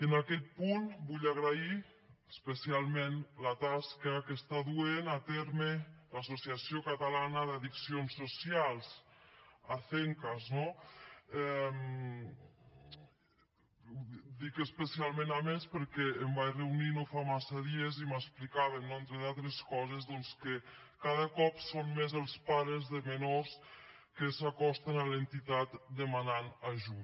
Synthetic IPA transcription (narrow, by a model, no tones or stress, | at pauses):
ənakɛt̪̚punbuʎaɣɾai | əspəsialˠmenlat̪askakest̪aðuenat̪ɛɾmelasosiasjokat̪alanəðaðiksionsːosialˠz | aθeŋkazno | ɛm | d̪ikəspəsialˠmẽnamespəɾkɛːmbajreuninofamasaðieziməsplikaβennoent̪ɾeðalˠt̪ɾeskɔzezðɔnske | kaðəkɔpsommezəlˠspaɾəzðəmenos | kesakɔst̪analent̪it̪at̪d̪emananaʒu